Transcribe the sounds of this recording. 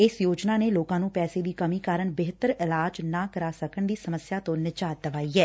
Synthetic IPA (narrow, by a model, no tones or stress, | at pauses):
ɪsjoːd͡ʒnaːneːloːkãːnũːpɛːseːd̪iːkəmiːkaːɾəɳbeɦt̪əɾɪlaːd͡ʒnaːkəɾaːsəkəɳd̪iːsəməsjaːt̪õːnɪd͡ʒaːt̪̚d̪əʋaːiːɛː